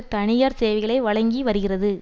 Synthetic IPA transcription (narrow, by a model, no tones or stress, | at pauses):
t̪ɐɳɪjaːɾseːʋɐɪɣɐɭɐɪʋɐɻɐŋɡiʋɐɾɯɣɪrɐðɯ